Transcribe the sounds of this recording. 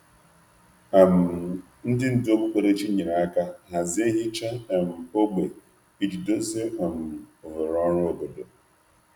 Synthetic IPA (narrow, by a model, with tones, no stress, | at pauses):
a˨m̩˨ | n̩˦dɪ˦n̩˦do˦bu˦kʷe˨ɾe˦t͡ʃi˦ɲi˨ɾa˨a˦ka˦ɦa˨zɪ˨˦e˦ɦɪ˦t͡ʃa˦e˨m̩˨o˦ɡ͡be˨ | i˦d͡ʒi˨do˦ze˦a˨m̩˨o˨ɦo˨ɾɔ˦ɾʊ˦o˨bo˨do˨